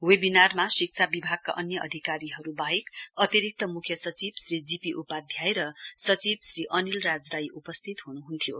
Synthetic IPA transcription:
webinarmasik̚t͡sʰabibʱaɡ̚ka̰ʔʌnjʌʔʌ̰d̪ʱikaɾiɦʌɾubaɦekʌt̪iɾik̚t̪ʌmukʰjʌsʌt͡sibsrid͡zipiʔupad̪ʱjajɾʌsʌt͡sibsɾiʔʌnilrad͡zrajʔupʌst̪ʰit̪ɦunuɦunt̪ʰijo

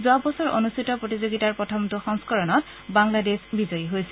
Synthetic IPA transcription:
zʊwabɔsɔɹʔonustʰitɔpɹotizoɡitaɹpɹɔtʰɔmtuxɔŋskɔɹɔnɔt | baŋladesbizɔjiɦojsɛ̥

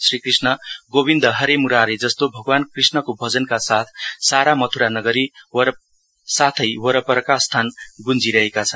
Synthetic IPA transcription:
srikrisnʌɡobind̪ʌɦʌɾemuɾaɾed͡zʌst̪obʱʌɡwankrisnʌkobʱʌd͡zʌnkasat̪ʰsaɾamʌt̪ʰuɾanʌɡʌɾiwʌ | sat̪ʰʌjwʌɾʌpʌɾʌkast̪ʰanɡund͡ziɾʌɦekat͡sʰʌn

